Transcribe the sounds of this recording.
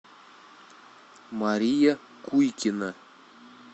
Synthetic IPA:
mɑɾʲija | kujkʲina

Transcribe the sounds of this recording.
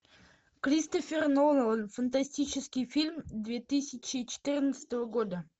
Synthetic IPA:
kɾʲist̪ofʲɪrnonəlˠənfənt̪̬asʲtʲit͡ɕɪskʲɪjfʲilʲmd̪vʲet̪ɨsʲɪt͡ɕɪt͡ɕɪ̥t̪ɨrnət̪sə̥t̪əvəɡod̪ə

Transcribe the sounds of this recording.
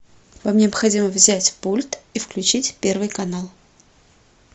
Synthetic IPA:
vamnʲɪɐpxɐdʲiməvzʲætʲpulʲt̪ifklʲʉt͡ɕitʲpʲe̞rvɨjkɐnalˠ

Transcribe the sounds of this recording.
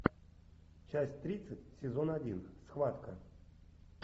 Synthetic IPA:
t͡ɕasʲtʲt̪ɾʲit̪sɨtʲsʲɪzo̞nadʲinsxvat̪kə

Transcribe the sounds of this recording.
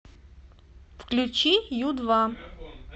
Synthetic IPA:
fklʲut͡ɕijud̪va

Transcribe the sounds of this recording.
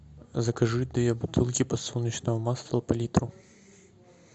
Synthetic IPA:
zɐkɐʐɨd̪ɨjʲɛbut̪ʰɨlˠkʲipɐsɔlnʲːɐt͡ʃnɐɦɐmaslˠɐɐpɐlʲit̪ɾu

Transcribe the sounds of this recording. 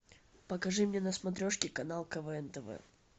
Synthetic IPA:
pəkɐʐɨmnʲenəsmɐt̪ɾʲoʂkʲɪkɐnalˠkəvɛɛnt̪əvɛ̰

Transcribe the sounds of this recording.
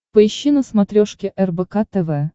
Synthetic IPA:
pəiɕːinəsmɐt̪ɾʲoʂkʲɪʔɛrbɛkat̪ɛvɛ

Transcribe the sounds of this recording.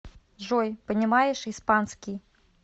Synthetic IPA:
ʐɔjpɐnʲimajɛʂispansʲkʲij

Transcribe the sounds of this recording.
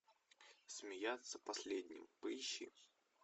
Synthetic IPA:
sʲmʲɪjat̪sːəpɐsʲlʲed̪ʲnʲɪ̰mpɨɕːɪ̰

